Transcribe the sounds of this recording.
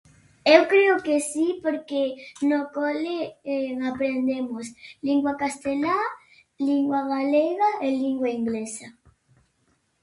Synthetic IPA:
ewkɾeʊkesipoɾkenokoleeapɾend̪emosliŋɡwakast̪ela | liŋɡwaɣaleɣaeliŋɡwaiŋɡlesa

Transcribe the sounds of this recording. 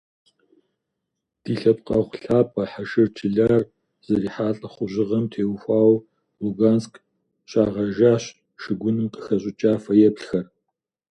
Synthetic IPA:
d̥iːɬɐp̚qʼɐʁʷɬaːpʰʼɐħaʃɪrt͡ʃʰɪɮaːr | z̥ɐɾiːħaːɬʼɐχʷʊʑɪʁɐmtʰeːwxʷɑːw | luɡaːnsk | ɕʼaːʁɐʒaːɕ | ʃɨɡʷʊnɨmqə̥xɐɕʼɪt͡ʃʼaːfɐjɛpɬxɐr

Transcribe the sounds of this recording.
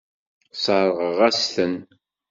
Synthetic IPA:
sˤəɾˤʁəʁæsθən

